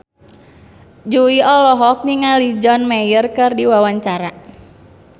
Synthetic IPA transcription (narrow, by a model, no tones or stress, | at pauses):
d͡ʒuiɔlɔɦɔk̚niŋalid͡ʒɔnmɛjərkɨrdiwawaɲt͡ʃaɾa